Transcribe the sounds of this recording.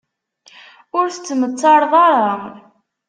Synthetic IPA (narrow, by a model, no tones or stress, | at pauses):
ʊɾθət͡sːmət͡sːɑɾðˤɑɾˤɑ